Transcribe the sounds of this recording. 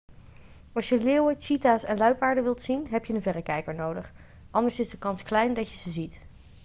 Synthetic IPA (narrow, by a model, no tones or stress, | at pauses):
ɑlˠsjəleːwət͡ʃitaːsɛnlœɥpaːɹdəʋɪlˠtsinɦɛpjəənvɛrəkɛjkəɹnowdəχ | ʔɑndəɹsɪzdəkɑnsklɛjndɑcjəzəzit